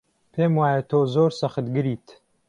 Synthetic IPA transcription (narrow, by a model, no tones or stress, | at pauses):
pʰeːmwaːjɐt̪ʰoːzoːɾsɐxɨt̪ɡɨɾiːt̪